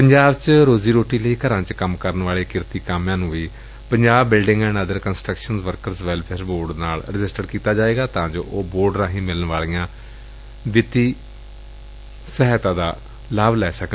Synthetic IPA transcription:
pəɲd͡ʒaːbt͡ʃɾoːziːɾoːʈiːləiːkəɾãːt͡ʃkəmkəɾənʋaːleːkɪɾt̪iːkaːmjãːnũːiː | pəɲd͡ʒaːbːɪlɖɪ̃ŋɡɛ̃ːnəd̪əɾkənsʈɾəkʃənzʋəɾkəɾsʋɛːlpʰɛːɾboːɾɖnaːlɾɪd͡ʒɪsʈəɖkiːt̪aːd͡ʒaːʋeːɡaːt̪ãːd͡ʒo̰ːʔoːboːɾɖɾãːɦĩːmɪlənʋaːlijãː | ʋɪt̪iː | səɦɛːt̪ãːd̪aː | laːblɛːsək

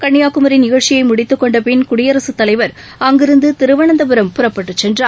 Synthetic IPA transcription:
kɐɳːɪjaːkɯmɐɾɪnnɪɣɐɭt͡ʃːɪjɐɪmʊɽɪt̪ːɯkːɔɳɖɐpɪnkʊɽɪjɐɾɐsɯt̪ːɐlɐɪʋɐɾ | ɐŋɡɪɾɯnd̪ɯt̪ɪɾɯʋɐɳɐnd̪ɐp̬ɯɾɐmpʊrɐpːɐʈːɯt͡ʃːɛndr

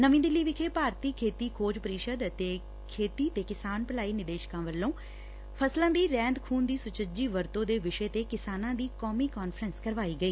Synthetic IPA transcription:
nəʋĩːd̪ɪlːiːʋɪkʰeːpaːɾt̪iːkʰeːt̪iːkʰoːd͡ʒpəɾɪʃəd̪t̪eː | kʰeːt̪iːt̪eːkɪsaːnpəlaːiːnɪd̪eːʃkãːʋəlːõː | pʰəslãːd̪iːɾɛ̃ːnd̪kʰuːnd̪iːsʊt͡ʃəd͡ʒiːʋəɾt̪õːd̪eːʋɪʃeːt̪eːkɪsaːnãːd̪iːkɔːmiːkɔːnfʰɾənskəɾʋaːiːɡəiː

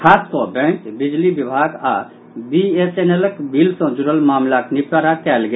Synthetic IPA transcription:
kʰaːskɔbɛ̃kbid͡ʒlibibʱaɡa | bieseneləkbʱilsɔ̃d͡ʒuɾəlmaːmlaknipɾaɾakɛːlɡe

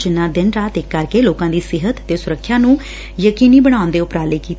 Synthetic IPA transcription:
d͡ʒɪnːãːd̪ɪnɾaːt̪ɪkːəɾkeːloːkãːd̪iːsɪɦət̪ːeːsʊɾəkʰːjaːnũː | jəkiːniːbəɽ̃ãːʊ̃nd̪eːʊpɾaːleːkiːt̪

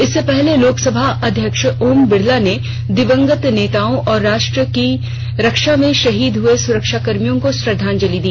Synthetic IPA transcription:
ɪsːepɛɦleloːksɐbʱaʔɐd̪ʱjəkʃoːmbɪɽlane | d̪ɪʋə̃ŋɡət̪neːt̪aːõʔɔːɾːaːʃʈɾəki | ɾɐkʃamẽʃɐɦiːd̪ɦʊesʊɾəkʃakɐɾmijõkospɾɐd̪ʱaːnd͡ʒɐlid̪iː

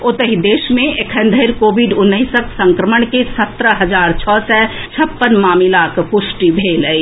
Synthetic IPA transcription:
ʊt̪əɦid̪eːʃmẽekʰənd̪ʱəɪɾkoːbiɖʊnːəɪsəksə̃ŋkɾəməɳkesət̪ɾəɦəd͡ʒaːɾt͡ʃʰɔːsɛt͡ʃʰəpːənmaːmilaːkpʊsʈibʱeːləi

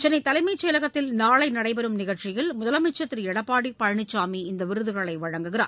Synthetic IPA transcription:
t͡ʃɛnɐɪt̪ːɐlɐɪmɐɪt͡ʃːɛːlɐɣɐt̪ːɪlnaːɭɐɪnɐɽɐɪpɛɾɯmnɪɣɐt͡ʃɪjɪlmʊðɐlɐmɐʈt͡ʃɐt̪ːɪɾɛɽɐpːaːɽipɐɻɐɳɪt͡ʃːaːmiɪnd̪ɐʋɪɾɯðɯɣɐɭɐɪʋɐɻɐŋɡɯɣɪra̰ː

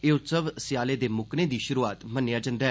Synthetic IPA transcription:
eːʊt̪səʋsɪjaːleːd̪eːmʊknẽːd̪iːʃʊɾuːaːt̪mənːjaːd͡ʒə̃nd̪aɦɛ

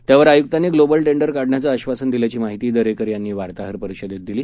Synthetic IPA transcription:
t̪jaʋəɾajuk̚t̪aneːɡlobəlʈeɳɖəɾkaɖɳjat͡saəɕʋasənd̪iljat͡ɕiːmaɦit̪iːd̪əɾekəɾjanːiːʋaɾt̪aɦəɾpəɾiɕəd̪ʱet̪̚d̪iliː

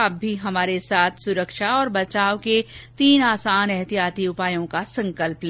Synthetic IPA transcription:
ɐbʱːiɦɐmaːɾesaːt̪ʰsʊɾəkʃaɔːɾbɐt͡ʃaːoket̪iːnaːsaːnɛɦt̪ijaːt̪iʊpaːjõkasɐ̃ŋkəlplẽ

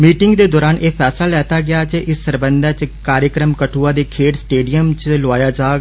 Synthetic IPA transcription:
miːʈɪŋɡd̪eːd̪ɔːɾaːnʔeːpʰɛːslaːlɛːt̪aːɡɪaːt͡ʃeʔɪsːəɾbənd̪ɛːt͡ʃkaːɾjəkɾəmkəʈʰuːãːd̪eːkʰeːʈsʈeːɖijəmt͡ʃloaːjaːd͡ʒaːɡ

